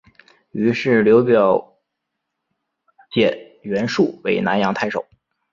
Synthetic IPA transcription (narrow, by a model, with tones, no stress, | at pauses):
y˧˥ʂɻ̩˥˩ljo˧˥ʊpjɑ˨˥˩ʊ | t͡ɕjɛ˨˩n | ɥɛ˧˥nʂu˥˩we˧˥ɪna˧˥njɑ˧˥ŋt̪ʰa˥˩ɪʂo̰˨˩˦ʊ